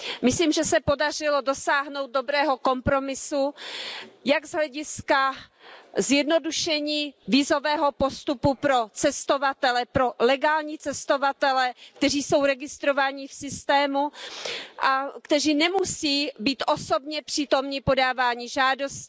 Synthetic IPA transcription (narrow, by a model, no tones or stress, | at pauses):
mɪsliːmʒɛsɛpo̞dar̝ɪlo̞do̞saːɦno̞wt̪̚do̞bɾɛːɦo̞ko̞mpɾo̞mɪsu | jaɡzɦlɛɟɪska | zjɛdno̞duʃɛɲiːviːzo̞vɛːɦo̞po̞st̪upupɾo̞t͡sɛst̪o̞vat̪ɛlɛpɾo̞lɛɡaːlɲiːt͡sɛst̪o̞vat̪ɛlɛkt̪ɛr̝iːso̞wɾɛɡɪst̪ɾo̞vaːɲɪfsɪst̪ɛːmu | ʔakt̪ɛriːnɛmusiːbiːt̪ʔo̞so̞bɲɛpr̥iːt̪o̞mɲɪpo̞daːvaːɲɪʒaːdo̞st